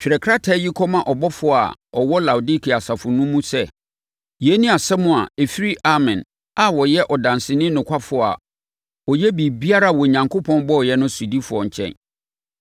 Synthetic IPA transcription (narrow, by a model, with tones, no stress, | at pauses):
t͡ɕᶣɪ˨ɾɛ˨kʰɾa˦tʰa˦ji˦kʰɔ˦mã˨ʔɔ˨bɔ˦fʊ˦˨a̰˨ɔ˨wɔ˦la˨wu˨di˦kʰi˨a˨sa˨fʊ˨nũ˦mũ˦sɛ˦ | je˨˦nĩ˦a˨sɛ˦mʊ̃˨a̰˨e˨fi˦ɾi˦ʔa˦mɛ̃˨n | a˨wɔ˨jɛ˦ʔɔ˨dã˨nsɪ˨nɪ̃˦nʊ̃˨kʷʰa˦fʊ˨˦˨a̰˨ | ɔ˨jɛ˦bi˨bi˦a˦ɾa˦˨wɔ˨ɲã˨ŋkʰʊ˦pʰɔ̃˦nbɔ˦˨jɛ˦nʊ̃˦su˨di˦fʊ˨ɔ˨ɲ̩˨t͡ɕʰɛ̰̃˦˨n